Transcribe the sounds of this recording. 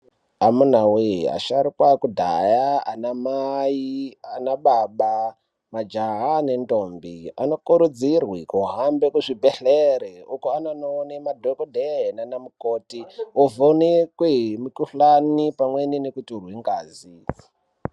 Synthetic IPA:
amun̤awḛa̰ʃaɾikwakudʱa̰jaanamaianaɓaɓa | mad͡ʒaɦane̞ndombia̰no̞kuɾud͡zirwikuɦambekuʐibʱeɬeɾeukoananonemadʱokodʱenanamukoːtiovonekweɦmukuɬanipamweninekuturwiŋɡaːzi

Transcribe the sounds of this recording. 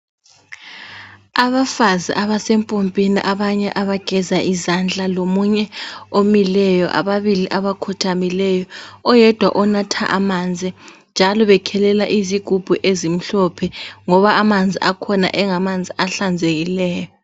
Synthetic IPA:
aβafaziʔaβasempʼompʼinḭʔaβaɲɛʔaβaɡ̥ʱɛzaʔizand͡ɮʱʼalomuɲɛomilɛjɔʔa̰βaβiliʔaβakʰɔtʰamilɛjɔɔjɛd̥ʱwa̰ʔɔnatʰa̰ʔamand͡zʱind͡ʒʱalɔβɛkʰɛlɛlaʔiziɡ̥ʱub̥ʱuʔezim̩ɬɔpʰɛŋɔβaːmand͡zʱiʔakʰɔna̰ʔɛŋamand͡zʱiaɬand͡zʱeɣilɛːjɔ

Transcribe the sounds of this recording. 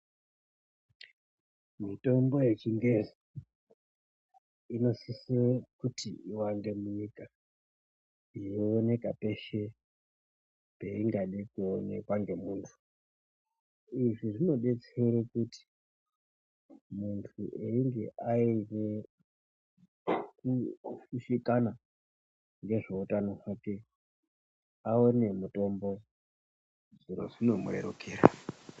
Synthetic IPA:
mito̞mbo̞je̞t͡ʃiŋɡezi | ino̞sisirakutiiwaŋɡe̞muɲika | ijoːne̞kape̞ʃe̞ | peiŋɡaɗikuonḛkwaŋɡe̞muːntʰu̥ | iʐiʐino̞ɗe̞t͡seɾokuti̥ | muntʰuʔeiŋɡe̞ʔaine | kuʃuʃikana | ŋɡe̞ʐeutanoʐake̞ | aone̞muto̞mbo̞ | ʐino̰ʐino̞mṵre̞̰ɾo̰keːɾa̰

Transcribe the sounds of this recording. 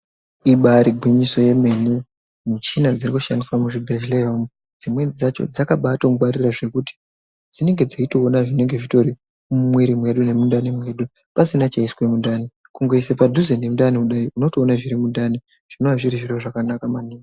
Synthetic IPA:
iɓaɾiɡʱwiɲisoje̞me̞nu | mut͡ʃinad͡zirikuʃandiswamuʐibʱeʒleɦomu | d͡zimwe̞d͡zat͡ʃo̞̰d͡zakaɓatomuɓaɾiraʐe̞kuti̥ | d͡zine̞ŋɡe̞d͡zaito̞ːnaʐine̞ŋɡe̞ʐito̞ɾi | umweɾimwe̞ɗune̞mundanimwe̞ɗu | pasinat͡ʃaiswe̞mundaːni | kuŋɡo̞isepadʱuzenjemundaniuɗaiʔuno̞to̞ːnaʐiɾimundani | ʐ̥inoaʐiɾiʐiɾoʐakanakamaniːŋa

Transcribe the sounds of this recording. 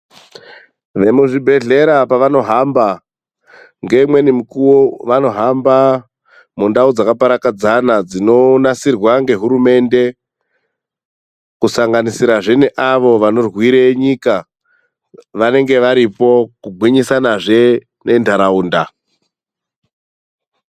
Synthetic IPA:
ʋe̞muʐibʱe̞ɮe̞ɾapaʋano̞ɦamba | ŋɡe̞mwe̞nimukuwoʋano̞ɦamba | mundaud͡zakapaɾakad͡zanad͡zino̞nasirwaŋɡe̞ɦuɾume̞nde̞ | kusaŋɡanisiɾaʐeneʔaʋo̞ʋano̞rwiɾeɲika | ʋane̞ŋɡe̞ʋaɾipo̞kuɡʱwiɲisanaʐe̞ | nʔe̞ndaɾauːnda

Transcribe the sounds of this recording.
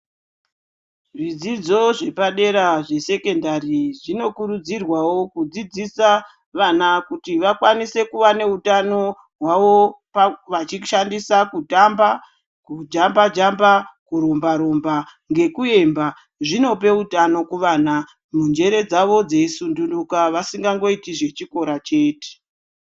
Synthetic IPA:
ʐid͡zid͡zo̞ʐe̞paɗe̞ɾaʐe̞se̞ke̞ndariʐino̞kuɾud͡zirwawo̞kud͡zid͡zisa | ʋanakutiʋakwanise̞kuʋane̞utano̞ | ɦwaʋo̞paʋat͡ʃiʃandisakutamba | kud͡ʒambad͡ʒambakuɾo̞mbaɾo̞mbaŋɡe̞kue̞mba | ʐino̞p̬e̞utano̞kuʋaːna | mund͡ʒe̞ɾe̞d͡zaʋo̞d͡ze̞isundundukaʋasiŋɡaŋɡo̞itiʐe̞t͡ʃiko̞ɾat͡ʃe̞ːte̥

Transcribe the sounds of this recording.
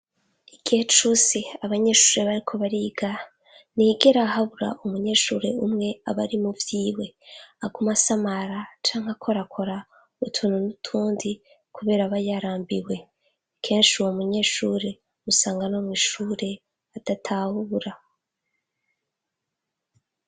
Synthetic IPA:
iɡ̥ihet͡ʃusiaβaɲe̞ːʃuːɾe̞βaɾikʰo̞βaɾiːɡa | niːɡe̞ɾahaβuɾa̰ʔumuɲe̞ʃuːɾe̞̰umŋe̞aβaɾimuvjiːwe̞aɡumasamaɾat͡ʃaːŋ̥hakʰoɾakʰo̞ɾa | βutʰununutʰuːndi | kʰuβe̞ːɾaβajaɾaːmbiwe̞ | kʰe̞ːnʃiwomuɲe̞ːʃuɾe̞ | musaːŋɡanomwiʃuːɾe̞ | atatʰahuɾa

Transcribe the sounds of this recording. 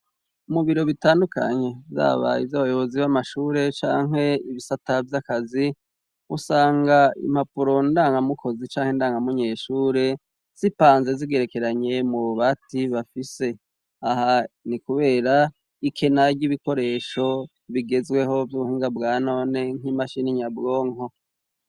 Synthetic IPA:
umuβiɾo̞βitaːndukʰa̰ɲe̞za̰ːβa̰jivjaβajo̞βo̞ziβamaʃuːɾe̞t͡ʃa̰ːŋ̥he̞iβisatavjakazi | usaːŋɡaḭm̥apuɾo̞ndaːŋɡamukʰo̞zit͡ʃaːŋhendaːŋɡamuɲe̞ːʃuːɾe̞ | z̥ipaːnzeziɡe̞ɾe̞ke̞ɾaɲe̞muβuβatiβafise̞ | ahanikuβe̞ːɾa | ikʰe̞naɟiβiko̞ɾe̞ːʃo̞ | βiɡe̞zwe̞ɦo̞vjuβuhiːŋɡabɡaːno̞ːne̞ŋ̥imaʃiniɲabɡo̞ːŋo̞

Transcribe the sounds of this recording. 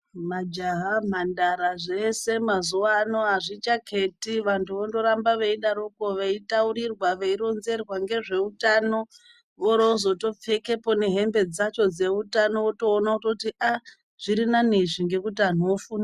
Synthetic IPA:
mad͡ʒaɦam̤andaɾaʐe̞se̞mazuano̞ɦaʐit͡ʃakʰetiʋantʰuʋondo̞ɾambaʋeiɗaɾuko̞ʋeitauɾirwaʋeiɾonze̞rwaŋɡe̞ʐe̞utano̞ | ʋoɾoozo̞to̞p͡fe̞ke̞po̞ne̞ɦe̞mbe̞d͡zat͡ʃo̞d͡ze̞utano̞oto̞ːnaototiʔa | ʐ̥iɾinaniʐiŋɡe̞kut̬ian̤ofuna

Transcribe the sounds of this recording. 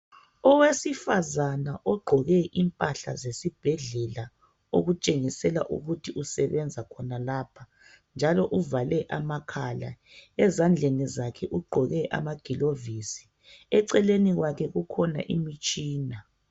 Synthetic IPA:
ɔwesifazanaʔɔɡ͡ǃʱɔɣɛʔimpʼaɬa̰zesib̥ʱɛɮɛla | oɣut͡ʃʼeŋisɛlaʔṵɣutʰiʔusɛβɛnd͡zʱakʰɔnalaːpʰa | nd͡ʒʱalɔʔuvalɛʔamakʰala̰ | ɛzand͡ɮʱenizakʰɛʔuɡ͡ǃʱɔɣɛʔa̰maɡ̥ʱilovisi̥ | ɛǀɛleniɣwakʰɛɣukʰɔna̰ʔimit͡ʃʼiːna

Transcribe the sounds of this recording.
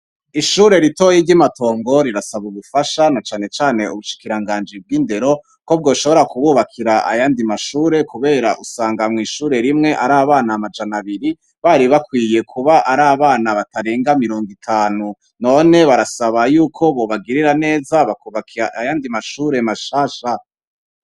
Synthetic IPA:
iʃuːɾe̞ɾitojiːɟimato̞ːŋɡo̞ɾiɾasaβuβufaʃanat͡ʃaːne̞t͡ʃaːne̞uβuʃi̥kiɾaŋɡaːnd͡ʒib̚ɡiːnde̞ɾo̞ | ko̞b̚ɡo̞ːʃo̞βo̞ɾakuβuβakʰiɾaʔa̰jaːndimaʃuːɾe̞kuβe̞ːɾaʔusaːŋɡamŋiːʃuːɾe̞ɾimŋe̞ʔaɾaːβaːnaːmad͡ʒanaβiɾi | βaɾiβakwiːje̞kʰuβaʔaɾaːβaːnaβataɾeːŋɡamiɾo̞ːŋɡitʰaːnu | no̞ne̞βaɾasaβajuːkʰo̞βo̞βaɡiɾiɾane̞ːzaβakuβakʰiɾaʔajaːndimaʃuːɾe̞maʃaːʃa

